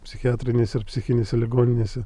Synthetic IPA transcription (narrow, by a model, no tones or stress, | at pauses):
pʲsʲɪxʲɪaːt̪ʲɾʲɪnʲeːsʲɛɪɾpʲsʲɪxʲɪnʲeːsʲɛlʲɪɡoːnʲɪnʲeːsʲɛ